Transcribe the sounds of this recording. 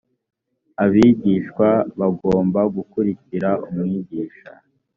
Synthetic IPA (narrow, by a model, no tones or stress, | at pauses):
aβiːɟiːʃkwaβaɡo̞ːmbaɡukuɾiciɾaumŋiːɟiːʃa̰